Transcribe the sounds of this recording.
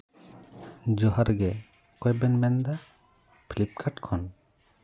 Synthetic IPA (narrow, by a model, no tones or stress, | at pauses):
d͡ʒɔɦaɾɡɛ | kɔjbɛnmɛnd̪a | pʰilip̚kʰaʈkʰɔn